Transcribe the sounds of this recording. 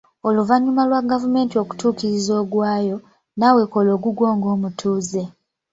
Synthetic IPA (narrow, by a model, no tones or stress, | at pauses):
o̞luvaɲumalwaɡavume̞ːntio̞ku̥tuːkiɾizoːɡwaːjo̞ | nawe̞ko̞lo̞ːɡuɡwo̞ːŋɡo̞ːmutʰuːze̞